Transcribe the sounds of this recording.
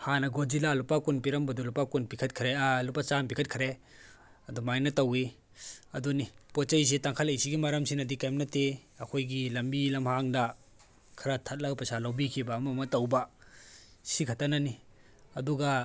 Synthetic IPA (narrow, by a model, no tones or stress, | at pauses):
hanɐɡod͡ʒilalupakunpiɾɐmbɐdulupakunpikʰɐt̚kʰɾealupat͡ʃanpikʰɐt̚kʰɐɾe | ɐdumajnɐtɐwi | ɐdunipɔt͡ʃɐjs̬etaŋkʰalejsʰiɡimaɾamsinɐdikajmnɐte | ɐkʰojɡilɐmbilɐmhaŋda | kʰɐɾatʰat̚laɡpɾɐsalawbikʰibaːmɐmɐtɐwba | sikʰatanani | ɐduɡa